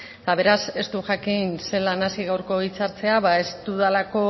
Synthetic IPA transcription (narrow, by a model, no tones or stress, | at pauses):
t̪aβ̞e̞ɾase̞st̪uʝakinse̞lanasiɣawɾko̞it͡saɾt͡se̞aβae̞st̪uðalako̞